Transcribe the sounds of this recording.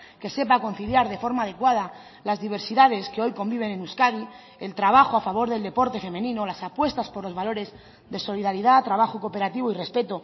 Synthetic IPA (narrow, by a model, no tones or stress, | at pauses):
ke̞se̞pako̞nθiljaɾðe̞fo̞ɾmaːðe̞kwað̞a | lazðiβ̞e̞ɾsiðað̞e̞skeo̞jko̞mbiβ̞e̞nẽnuskaði | e̞lt̪ɾaβ̞axoafaβo̞ɾðe̞ld̪e̞po̞ɾt̪e̞fe̞mẽ̞nĩnolasapwe̞st̪aspo̞ɾlo̞zβalo̞ɾe̞z | ðe̞so̞liðaɾiðat̪ɾaβ̞axoko̞pe̞ɾat̪iβ̞oire̞spe̞t̪o